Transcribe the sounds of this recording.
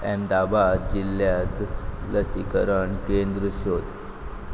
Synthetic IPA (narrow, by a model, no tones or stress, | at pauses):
ɛmd̪abad̪̚d͡ʑilːjat̪ləsikəɾəɳkend̪ɾəɕod̪ʱ